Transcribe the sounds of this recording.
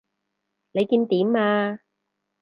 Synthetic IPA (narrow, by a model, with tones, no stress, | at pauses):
ne˨˧jkiː˧nt̪iː˨˥maː˧